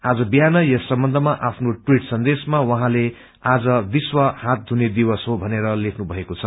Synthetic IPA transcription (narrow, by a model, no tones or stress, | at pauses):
ad͡zʌbijanʌjʌsʌmbʌnd̪ʱʌmaʔapʰnoʈwiʈsʌnd̪esmawʌɦãle | ad͡zʌbiswʌhat̪̚dʱuned̪ibʌsɦobʱʌneɾʌlekʰnubʱʌekot͡sʰʌ